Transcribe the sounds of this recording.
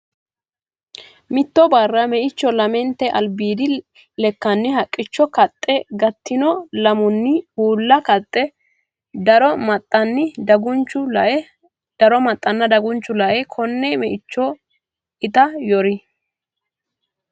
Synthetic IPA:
mɪt̪ːɔbɐrːɐmɛʔɪt͡ʃːɔlɐmɛnt̪ːɛʔɐ̰lbiːd̪ɪ | lɛkːɐnːɪhɐkʼːɪt͡ʃːɔkɐt̪ʼːɛɡɐt̪ːɪnɔlɐmʊnːɪuːlːɐkɐt̪ʼːɛ | d̪ɐɾɔmɐt̪ʼːɐnːɪd̪ɐɡʊnt͡ʃːʊlɐʔɛ | d̪̥ɐɾɔmɐt̪ʼːɐnːɐd̪ɐɡʊnt͡ʃːʊlɐʔɛkʰɔnːɛmɛʔɪt͡ʃːɔ | ɪt̪ɐjɔɾɪ

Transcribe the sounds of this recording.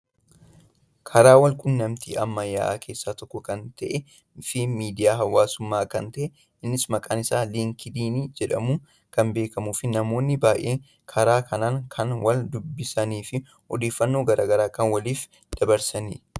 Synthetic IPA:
kʰɐɾaːwɐlkʼʊnːɐmt̪ʰḭːʔɐmːɐjːa̰ːʔkʰe̞ːsːaːt̪ɔkːɔkɐnt̪ɐʔɛ | fɪmiːd̪ɪjaːɦɐwaːsʊmːaːkɐnt̪ɐʔɛ | ɪnːɪsmɐkʼaːnɪsaːliːŋkɪd̪iːniːd͡ʒɛᶑɐmuː | kɐnbe̞ːkɐmuːfɪnɐmo̞ːnːɪbaːjʔeː | kʰɐɾaːkʰɐnaːŋkʰɐnwɐld̪ʊbːɪsɐniːfɪ | hɔd̪e̞ːfːɐnːo̞ːɡɐɾʔa̰ːɡɐɾaːkɐnwɐliːf | d̪̥ɐbɐɾsɐnḭː

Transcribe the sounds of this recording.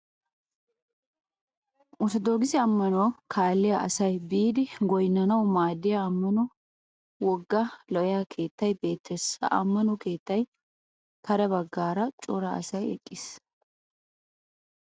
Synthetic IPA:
ʔʊt̪ɔd̪oːɡɪsɪɐmːɐnoːkʰaːlːɪjɐʔɐsɐjbiːd̪ɪɡɔjnːɐnɐwmaːd̪ɪjɐɐmːɐnɔ | wɔɡːɐlɔʔjakʰe̞ːt̪ːɐjbe̞ːt̪ʰːɛsɐ̰ʔɐ̰mːɐnɔke̞ːt̪ːɐj | t̪ɐɾɛbɐɡːaːɾɐt͡ʃʼʊɾɐɐ̰sɐjɛ̰kʼːɪs

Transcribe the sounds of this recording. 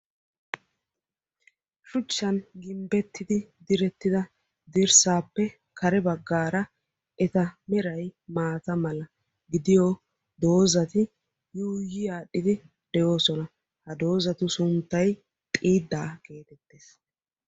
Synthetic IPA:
ʃʊt͡ʃːɐnɡɪmbɛt̪ːɪd̪ɪd̪ɪɾɛt̪ːɪd̪ɐ | d̪ɪɾsaːpːɛ | kʰɐɾɛbɐɡːaːɾɐ | ɛt̪ɐmɛɾɐjmaːt̪ɐmɐlɐ | ɡɪd̪ɪjo | d̪o̞ːzɐt̪ɪ | juːjɪjaːɗɪd̪ɪ | d̪̥ɛjo̞ːsɔnɐ | hɐd̪o̞ːzɐt̪ʊsʊnt̪ːɐj | t̪ʼiːd̪ːaːke̞ːt̪ɛt̪ːeːs

